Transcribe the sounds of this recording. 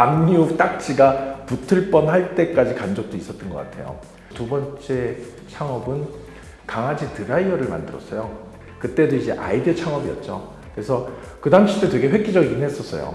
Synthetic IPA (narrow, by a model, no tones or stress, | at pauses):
amɲiuk̚t͈ak̚t͡ɕ͈iɡaputʰɯɭp͈ʌnɦaɭt͈e̞k͈ad͡ʑikand͡ʑʌk̚t͈ois͈ʌt͈ɯnɡʌk͈atʰe̞̰jo̰ | tubʌnt͡ɕ͈e̞ | t͡ɕʰaŋʌbɯn | kaŋad͡ʑitɯɾaiʌɾɯɭma̰ndɯɾʌ̰s͈ʌjo | kɯt͈e̞doid͡ʑe̞ʔa̰idiʌt͡ɕʰaŋʌbiʌ̰t̚t͡ɕ͈o̰ | kɯɾe̞sʰʌkɯdamɕʰitetwe̞ɡe̞ɸwe̞k͈id͡ʑʌɡinɦes͈ʌs͈ʌjo̰